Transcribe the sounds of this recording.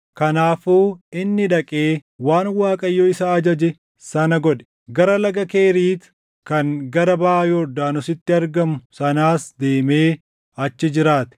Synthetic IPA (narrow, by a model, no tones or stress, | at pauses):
kɐnaːfuːɪnːɪᶑ̪ɐkʼeːwaːnwaːkʼɐjːoːɪsaːd͡ʒɐd͡ʒɛ | sɐnɐɡɔᶑɛ̥ | ɡɐɾɐlɐɡɐke̞ːɾiːt̪ | kɐŋɡɐɾɐbɐjɔd̪aːnʊsɪt̪ːɪɐɾɡɐmʊsɐnaːsd̪e̞ːme̞ː | ɐt͡ʃːɪd͡ʒɪɾaːt̪ɛ̥